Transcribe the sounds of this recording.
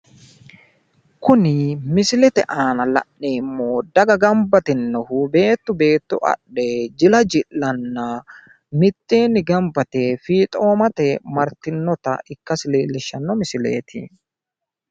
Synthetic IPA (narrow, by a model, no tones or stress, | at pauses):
kʊnɪmɪsɪlɛt̪ɛ̰ʔaːnɐlɐ̰ʔːeːmːoːd̪ɐɡɐɡɐmbɐt̪ɪnːɔhʊbe̞ːt̪ːʊbe̞ːt̪ːʊʔɐ̰ɗed͡ʒɪlɐd͡ʒɪʔːɐnːɐ | mɪt̪ːeːnɪɡɐmbɐt̪ɛfiːt̪ʼo̞ːmɐt̪ɛmɐɾt̪ːɪnːɔt̪ɐ̰ɪkːɐsɪleːlːɪʃːɐnːɔmɪsɪlḛːt̪ʰɪ̰